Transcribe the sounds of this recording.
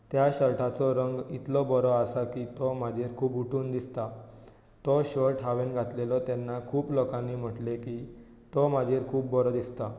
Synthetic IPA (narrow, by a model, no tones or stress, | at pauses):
t̪jaɕəɾʈʰat͡sɔɾəŋɡit̪lɔbɔɾɔasakit̪ɔmad͡ʑʱeɾkʰuːpuʈuːnd̪ist̪a | t̪ɔɕɔɾʈʰɦaʋenɡʱat̪lelɔt̪ɛnːakʰuːplɔkãnːim̤əʈleki | t̪ɔmad͡ʑʱeɾkʰuːpbɔɾɔd̪ist̪a